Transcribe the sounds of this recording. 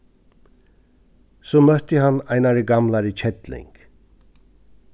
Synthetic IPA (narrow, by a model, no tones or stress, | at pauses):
sumœht̪iɦɑnɑjnɑɾiɡɑmlɑɾit͡ʃʰɛt̪lɛ̰ŋkʰ